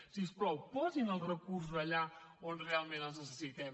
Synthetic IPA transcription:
sispɾɔwpɔzinəlˠrəkuɾs̬uzəʎaonrealˠmẽnəlznəsəsit̪ɛm

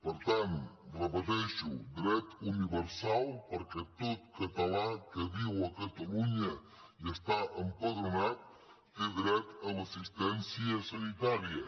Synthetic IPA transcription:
poɾt̪anraβaðeʃud̪ɾet̪uniβeɾsalpoɾket̪ot̪̚kat̪alakeβiwakat̪aluɲa | jast̪aʔampoɣɾanat̪̚ | keðɾet̪amasist̪ensjasanit̪aɾja

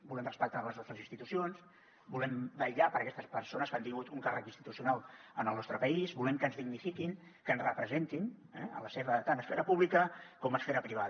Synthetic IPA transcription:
bulɛmrəspək̚t̪ɾaləzɔst̪ɾəzinst̪it̪usions | bulɛmbəʎapəɾəkɛst̪əspəɾsonəskant̪iŋɡut̪uŋkarəkinst̪i̥t̪usiunalˠənəlˠnɔst̪ɾəpəizbulɛmkənzðiɡnifikiŋ | kənzrəpɾəzent̪inɛə̰ləseβət̪anəsfɛɾəpuβlikəkɔməsfɛɾəpɾiβ̞að

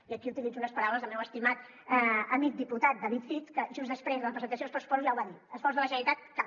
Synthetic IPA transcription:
iəkiut̪ilid͡zunəspəɾawləzðəlˠmɛwəst̪imat̪ | əmik̚d̪iput̪at̪̚d̪əβit̪fit̪kəʒuzðəspɾezðələpɾəzənt̪əs̬iospɾəsu̥pɔzuzʒawβaðiəsfɔrzðələʒənəɾit̪at̪̚ka

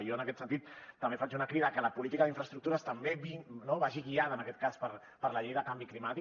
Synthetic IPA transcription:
ioənəkɛt̪sənt̪it̪t̪ːəmbefat͡ʃunəkɾiðəkələpulit̪ikəðiɱfɾəst̪ɾuk̚t̪uɾəst̪əmbeβinoβaʒiɣiaðəːnəkɛt̪kaspəɾ | pəɾləʎejðəkambiklimat̪i

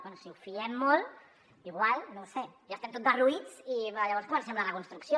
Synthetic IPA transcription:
ansiufiʎɛmːol | iɣwalnowseʒast̪ɛmt̪ot̪d̪əruit͡siaʎaβɔɾskomənsɛmlaləkunst̪ɾuksjo

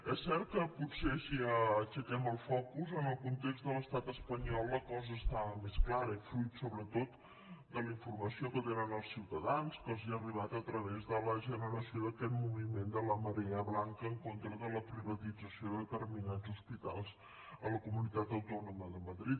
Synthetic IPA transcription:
ɛsːɛɾt̪̚kəputseəʃiəːt͡ʃəkɛməlˠfɔkuzənəlˠkunt̪ekzt̪d̪ələst̪at̪əspəɲɔlˠːəkɔzəːst̪amesklaɾəifluit̪soβɾət̪ot̪ | d̪ələiɱfurməsiokət̪enənəlˠsiwt̪əðanskɔziəriβat̪ət̪ɾəβezðələʒənəɾəsioðəkɛt̪̚muβimend̪ələməɾeəβlaŋkəːŋkont̪ɾəðələpɾiβət̪id͡zəsioðəət̪ərminad͡zuspit̪a̰lˠz | ələkumunit̪at̪əwt̪ɔnuməðəməðɾit̪̚

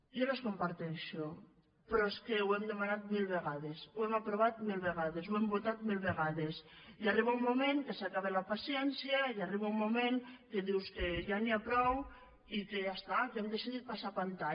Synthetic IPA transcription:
joneskompaɾt̪eʃo | pɾɔeskewemd̪emanat̪̚milˠβeɣaðesuɛmapɾoβat̪milˠβeɣaðezwembot̪at̪milˠβeɣaðes | jariβaumumẽŋkesakaβelapasjɛnsjajariβaumːumeŋkeðiwskeʒaniapɾɔw | ikeʝast̪akemd̪esiðit̪̚pasapant̪a

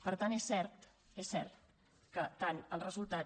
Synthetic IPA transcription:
pəɾt̪anesːɛɾt̪ | esːɛɾt̪̚ | kət̪anəlˠrəzulˠt̪a

